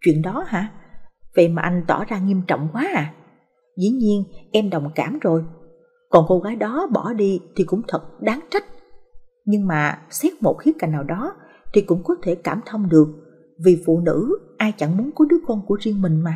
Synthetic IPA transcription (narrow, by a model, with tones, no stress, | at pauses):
t͡ɕwḭ˧˨ənɗɔ˨˦haː˧˩və̰˧˨jmaː˨˩ʔa˧jŋ̟t̪ɔ˧˩zaː˧ŋi˧əmt͡ɕɔ̰˧˨wŋ͡mkwaː˨˦ʔaː˨˩ | zḭ˧˩ɲi˧ənʔɛ˧mɗə˨˩wŋ͡mkaː˧˩mzo˨˩j | kɔ˨˩nko˧ɣaː˨˦jɗɔ˨˦ɓɔ˧˩ɗi˧t̪ʰi˨˩kʊ̰˧˥ŋ͡mt̪ʰə˨˩t̚ɗaː˨˦ŋt͡ɕa˦˥t̚ | ɲɨ˧ŋmaː˨˩sɛ˦˥k̚mo˨˩t̚xi˦˥t̚kaː˨˩jŋ̟naː˨˩wɗɔ˨˦ | t̪ʰi˨˩kʊ̰˧˥ŋ͡mkɔ˨˦t̪ʰe˧˩kaː˧˩mt̪ʰə˧wŋ͡mɗɨ˨˩ək̚ | vi˨˩fṵ˧˨nɨ̰˧˥ʔaː˧jt͡ɕa˧˩ŋmu˨˦nkɔ˨˦ɗɨ˨˦əkɔ˧nku˧˩əzi˧əŋmï˨˩ŋ̟maː˨˩